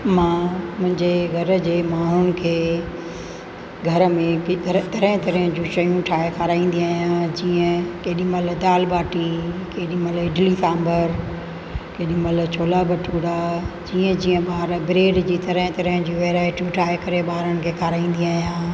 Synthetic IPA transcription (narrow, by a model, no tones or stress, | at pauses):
mãːmʊ̃ɦɪ̃ɲd͡ʑeɡʱɐɾd͡ʑeːmaːɦʊnɪ̆kʰeː | ɡʱɐɾmẽk̪t̪ɐɾəɦt̪ɐɾiə̃d͡ʑũːʃɐjũʈʰaːekʰaːɾaːĩːn̆d̪iaːɦijãːd͡ʑiːə̃keːɗimɐld̪aːlbaːʈikeːɗiːmɐlɪɖlisaːmbəɾ | keːɗĩmɐlt͡ɕʰoːlabɐʈʰuːɾad͡ʑiːə̃d͡ʑiːə̃ɓaːɾbɪɾeːɖd͡ʑiːt̪ɐɾə̃ɦɪ̃t̪ɐɾəɦɪ̃d͡ʑiːʋeːɾaːɪʈijuʈʰaːkɐɾeɓaːɾənɪ̆kʰeːkʰaːɾaːĩːnd̪iaːijãː